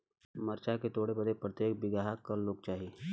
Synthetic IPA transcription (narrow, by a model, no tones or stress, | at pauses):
mɐɾt͡ʃaket̪oːɽebəd̪epɾət̪jeːk̚bɪɡaɦakɐɾloːɡ̚t͡ʃaːɦieː